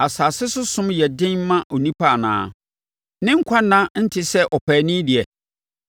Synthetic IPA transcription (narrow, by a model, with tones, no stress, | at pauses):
a˨saː˨sɪ˦sʊ˦sʊ̃˦mjɛ˨dɪ̃˦nmã˦ʔo˨nĩ˦pʰa˦˨nã̰ː˦˨ | nɪ̃˦ŋ̩˦kʷʰa˦nã˦n̩˦tʰɪ˦sɛ˦ʔɔ˨pʰæː˨nɪ̃˦dɪ˨ɛ˨